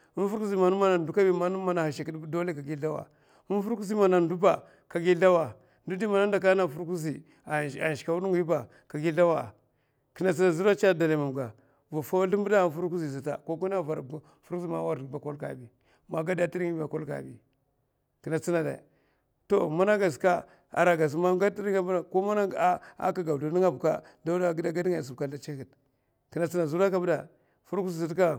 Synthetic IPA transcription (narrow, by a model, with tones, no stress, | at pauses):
u˦n˦fu˦ɾku˦zi˦ma˨nu˦ma˦na˨n˨du˦ka˦bi˦ma˦nu˦ma˦na˨ha˨ʃi˨ki˦ddo˦le˦ka˨ɡi˦a˦wa̰˨ | u˦n˦fu˦ɾku˦zi˦ma˨na˨ndu˦ba˨ | ka˨ɡi˦ɬa˦wa˨ | ndu˦di˦ma˨na˦nda˨ka˦na˦˨fu˦ɾku˦zi˨ | a̰˨ʃi̥˨ka˨wu˦du˦ŋ˦i˦ba˨ | ka˨ɡi˦ɬa˦wa˨ | ki˨na˨t͡si˦na˨zu˦ɾa˦t͡ʃa˦˨da˨la˨ma˨m˨ɡa˨ | va˨fa˦wɬi˦mbu˦da˦fu˦ɾku˦zi˨s̬a˨ta̰˨ko˦ku˦na˦˨va˨ɾ | fu˦zi˦˨ma̰˨˦wa˦˨ba˨ko˦lka̰˨bi˨ | ma˨ɡa˦da˦ti˦ɾi˦ŋ˦ba˨ko˦lka̰˨bḭ˨ | ki˨na˨t͡si˦na˨da̰˨ | to˨ma˦na˦ɡa˨ska˦ | a̰˨ɾa˨ɡa˨s̬ma˦ɡa˦ti˦ɾi˦ŋa˦a˨ko˦ma˦na˦ɡa˦a̰˦ka˨ɡa˨du˨˦ni˦ŋa˦bu˨ka̰˦ | da˦da˦ɡda˦ɡa˦da˨s̬u˨bka˨da˦t͡ʃe˦ki˨t̚ | ki˨na˨t͡si˦na˨zu˦ɾa˦ka˦bda˨ | fu˦ɾku˦zi˨zi˨˦tka˦